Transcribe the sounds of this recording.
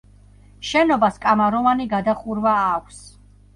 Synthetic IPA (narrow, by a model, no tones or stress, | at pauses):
ʃɛnɔbaskʼamaɾɔvaniɡad̪aχuɾvaːkʷʰs